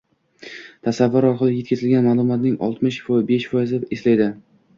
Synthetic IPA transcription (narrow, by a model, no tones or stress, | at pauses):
t̪ʰasavːʊɾɒɾqɨlˠɪje̞t̪̚ʲkʰʲazɪlɡʲanmaːlˠʊmɒt̪nɪŋɒ̰lˠt̪mɪʃfɒbe̞ʃfɒjɪzɪeslajd̪ɪ